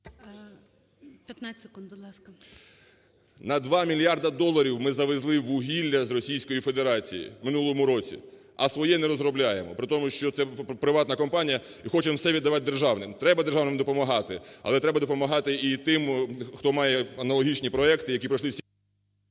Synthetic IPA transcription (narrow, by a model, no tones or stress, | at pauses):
pʲjɐt̪nasekund̪bʊd̪lˠɑskɐ | nɐd̪ʋɑmʲilʲjɑrd̪ɐd̪ɔlˠːɐɾʲiwmɪzɐʋezlˠɪʋʊɦʲilʲːɐzrɔsʲijsʲkɔjifed̪eɾɑt͡sʲḭjḭmɪnulˠɔɔmʊɾɔt͡sʲḭ | ɐsʋɔjɛnɛɾɔzɾɔblʲajemɔpɾɪt̪ɔmʊʃt͡ʃɔt̪sɛpɾɪʋɑt̪nɐkɔmpɑnʲijɐ | ixɔt͡ʃɪmwsɛʋʲid̪ːɐʋɑt̪̚d̪erʒɑwnɪmt̪ɾɛbɐd̪erʒɑwnɪmd̪ɔpɔmɐɦɑt̪ɪɐ̰lˠɛt̪ɾɛbɐd̪ɔpɔmɐɦɑt̪ɪit̪ɪmxt̪ɔmɑjɛɐnɐlˠɔɦʲit͡ʃnʲipɾɔɛkt̪ɪjɐkʲipɾɐʃlˠɪwsʲ